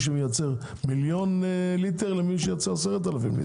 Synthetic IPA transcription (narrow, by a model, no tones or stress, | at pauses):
ʃ̬əməjat͡sɛʁ | miljonlit̪ɛʁlɛmiʃ̬əjat͡saasɛʁat̪̬alafimlḭ